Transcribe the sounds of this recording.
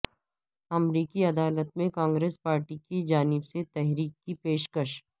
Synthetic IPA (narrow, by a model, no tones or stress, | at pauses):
ɐmɾiːkiɐd̪aːlət̪mẽkãːŋɡɾeːspaːɾʈikid͡ʒaːnɪbset̪ɛɦɾiːkːipeːʃkəʃ